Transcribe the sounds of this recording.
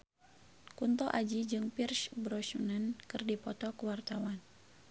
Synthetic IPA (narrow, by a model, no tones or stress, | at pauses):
kunt̪ɔʔad͡ʒid͡ʒɨŋpirsbɾɔsunənkɨrdipɔt̪ɔkəwart̪awan